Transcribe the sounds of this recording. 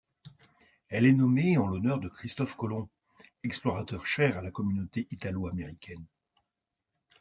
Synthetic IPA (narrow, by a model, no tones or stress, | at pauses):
ɛlɛnɔmeɑ̃lɔnœʁd̪əkχist̪ɔfkɔlɔ̃ | ɛksplɔʁat̪œʁʃɛʁalakɔmynot̪eʔit̪aloameʁikʲʰɛn